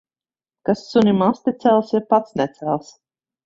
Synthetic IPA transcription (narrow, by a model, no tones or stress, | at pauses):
kasːunʲimast̪ʲɛt̪sɛlˠsiɾpat̪snɛt̪sælˠs